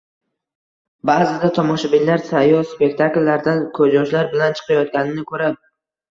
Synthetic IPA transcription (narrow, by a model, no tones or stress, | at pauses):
baːzɪd̪at̪ʰɒmɒʃabɪnlaɾsajɒspe̞kt̪ʰaklːaɾd̪ankʰɵd͡ʒɒʃlaɾbɪlant͡ʃʰɨ̥qʰɑjɒt̪̚ɡʲanɪnɪkʰɵɾa